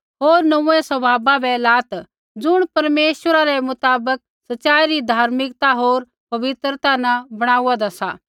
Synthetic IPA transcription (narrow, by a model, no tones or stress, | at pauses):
ɦoːɾnɐũɛ̃sɐbʱaːbabɛlaːt̪ | d͡zʊɽ̃pɐɾmeːʃwəɾaɾɛmʊt̪aːbək̚ | sɐtːt͡ʃaːiɾid̪ʱaːɾmɪkt̪aɦoːɾ | pɐʋɪt̪ɾət̪anɐbɐɽ̃aːuad̪asa̰